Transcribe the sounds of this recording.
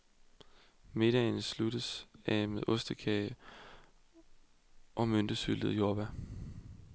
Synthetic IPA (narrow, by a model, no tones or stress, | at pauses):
me̝d̥ɛnəsluɾ̥əsæmeðˠʔɔ̽sd̥əkʰɛɪ | ʔɒ̽mønd̥əsyld̥ð̩ˠjoːb̥æ